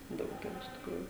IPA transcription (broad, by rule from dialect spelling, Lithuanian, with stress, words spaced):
ˈdɐʊk ɪˈrɐ ɪʃ tʲɪkˈruːjʊ